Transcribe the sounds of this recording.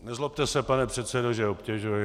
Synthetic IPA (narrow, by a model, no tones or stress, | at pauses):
nɛzlop̚t̪ɛsɛpanɛpr̝̥ɛt̪sɛdoʒɛopcʲɛʒujɪ